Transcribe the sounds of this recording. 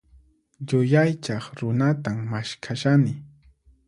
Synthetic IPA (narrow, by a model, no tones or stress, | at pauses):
ʎʊjajt͡ʃɑχɾʊnat̪ammaʃkʰaʃanɪ